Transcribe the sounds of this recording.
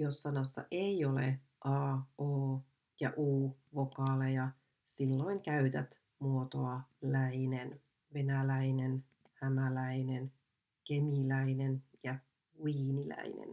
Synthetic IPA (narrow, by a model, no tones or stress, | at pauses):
josːɑnɑsːɑ̰ʔeiolḛ | ʔɑːoː | jɑʔuːʋo̞kɑːlejɑ | silːo̞iŋkæyt̪æt̪ | muot̪oɑlæinen | ʋe̞nælæinen | hæmælæinen | ke̞milæinenjɑ | wiːnilæ̰ḭnḛn